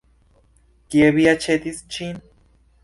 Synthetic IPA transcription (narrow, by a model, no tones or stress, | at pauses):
kjeβiat͡ʃet̪ist͡ʃin